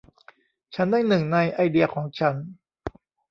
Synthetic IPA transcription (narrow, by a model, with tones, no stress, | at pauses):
t͡ɕʰa˦˥ndaː˥˩jnɯ˨˩ŋna˧jʔa˧jdi˧ɐkʰɔː˩˦ŋt͡ɕʰa˦˥n